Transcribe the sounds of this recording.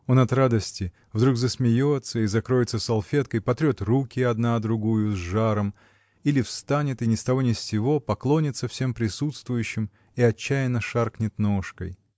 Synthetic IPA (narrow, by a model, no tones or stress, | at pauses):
o̞nɐt̪ɾad̪əsʲtʲɪ | vd̪ɾuɡzəsmʲɪjo̞t̪səizɐkɾo̞jɪt̪səsɐlˠfʲet̪kəjpɐt̪ɾʲo̞t̪rukʲɪɐd̪nad̪ɾʊɡujʊzʐaɾəm | ilʲɪfst̪anʲɪt̪ɨnʲɪst̪ɐvo̞nʲɪsːʲɪvo̞pɐklˠo̞nʲɪt̪səfsʲe̞mpɾʲɪsut̪st̪vʊjʉɕːɪm | iɐt͡ɕːæjɪnːəʂarknʲɪt̪noʂkə̰j